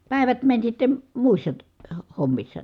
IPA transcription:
pæˑi̯ʋæt mænʲ sitːe muisːɑ ty ho homːisːɑ

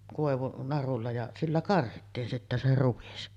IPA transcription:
koˑeʋunɑrulːɑ jɑ silːæ kɑrhitːiːn sitːæ se ruʋis

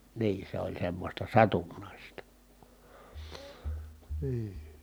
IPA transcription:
niː se olʲ semːosʲtɑ sɑtunːɑˑistɑ niː

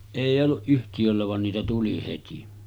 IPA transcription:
eˑijˑ olːuʔ ʔyhtijølːæ ʋɑn niːtæ tuli heti

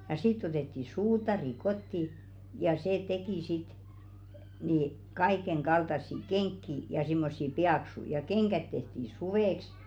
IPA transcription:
jɑ sitː otetːi suːtɑri kotːi jɑ seː tekiˑ sit ni kɑikeŋɡ̊ɑltɑsːi keŋkːi jɑ simːosːi piɑksuĭ jɑ keŋɡ̊æt tehti suʋeˑks

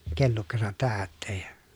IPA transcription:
kelːukːɑsɑt tæːtːeːj jɑ̥

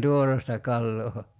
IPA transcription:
tuorestɑ kɑlːoː

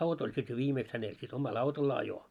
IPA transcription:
ɑut olʲ sit jo ʋiːmeːks hænel sit omɑl ɑutolː ɑjo

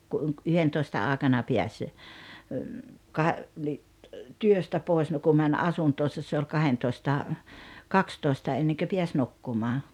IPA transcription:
ku ʔuŋkyhentoistɑ ɑˑekɑnɑ piæs kɑ ni tyøstæ poˑes no ku mænʲ ɑsuntoːsɑs se olʲ kɑhentoˑĭstɑ kɑkstoˑi̞stɑ enːeŋkø piæs nukːumɑː

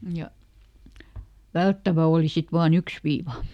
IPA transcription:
jɑ ʋæltːæʋæ oːli sit ʋɑːn yks ʋiːʋɑ

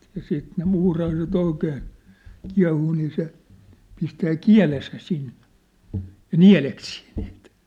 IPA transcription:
jɑ siːt ne muːrɑhɑiset oikeːn̞ kiɑ̝huː niː se pistæː kiæ̝lesæ sinːe̥ jɑ̆ niæ̝leksiː n̥i̥ːt

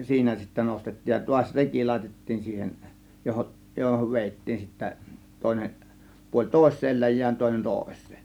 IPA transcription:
siːnæ sitːæ nostetːiːj jɑ tuɑsʲ reki lɑˑe̝tetːiːn siːhen johoʔ johoʋ ʋeˑitːiːn sitːæ toˑe̝neʔ puolʲ toˑe̝sˑeːl læjˑæːn toˑe̝nen toˑe̝sˑe̥ː

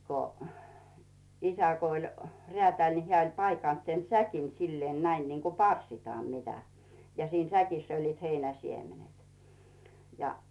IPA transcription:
ko isæ ko olʲ reætæˑlʲ ni heæˑ olʲ pɑikɑˑnt sen sækin silːeːn næin niŋko pɑrsˑitɑːm mitæ jɑ siːn sækisː olːiːt heinæ siemenet jɑ

